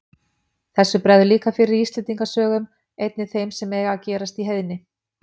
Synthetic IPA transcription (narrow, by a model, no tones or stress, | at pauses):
θɛsːʏpɾɛðʏliːkafɪɾɪɾist̪lɛnt̪iŋkasœːɣʏm | ejt̪̚nɪθejmsɛmɛːɣaːcɛːɾast̪iɦejðnɪ